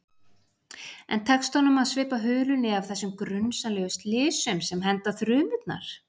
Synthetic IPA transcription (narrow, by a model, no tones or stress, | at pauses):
ɛ̰nt̪ʰɛkst̪hanʏmaðsvɪːpaɦʏːlʏnɪav̥θɛsːʏmkɾʏnsalɛːɣʏst̪lɪːsʏmsɛmɦɛnt̪aθɾʏːmʏt̪na̰ɾ̥